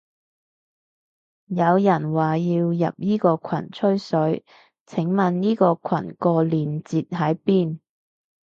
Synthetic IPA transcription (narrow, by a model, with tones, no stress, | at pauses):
jɐ˨˧wjɐ˨˩nwaː˨˩jiː˧wjɐ̰˨p̚jiː˥kɔː˧kʷʰɐ̰˨˩nt͡ʃʰɵ˥ɥsɵ˨˥ɥ | t͡sʰɪ˨˥ŋmɐ˨njiː˥kɔː˧kʷʰɐ˨˩nkɔː˧liː˨nt͡siː˨t̚ɦɐ˨˥jpiː˥˩n